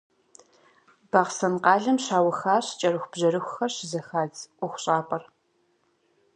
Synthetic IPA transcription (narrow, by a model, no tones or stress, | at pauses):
b̥ɐʁsɐnqɑːɮɐmɕaːwɐxaːɕt͡ʃʼɐɾɨxʷb̥ʑɐɾɨxʷʊxɐrɕɪzɐxaːd͡zʔʷʊxʷʊɕʼaːpʼɐr